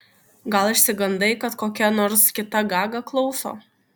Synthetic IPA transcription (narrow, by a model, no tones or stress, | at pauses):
ɡɐlˠɪʃʲsʲɪɡɐnd̪ɐɪkɐt̪koːkʲɛnɔːɾskʲɪt̪ɐɡɑːɡɐklˠɒʊso̰ː